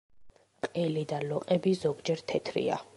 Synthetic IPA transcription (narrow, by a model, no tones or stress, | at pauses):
qʼɛlid̪alɔqʼɛbizɔɡd͡ʒɛɾt̪ʰɛt̪ʰɾḭa̰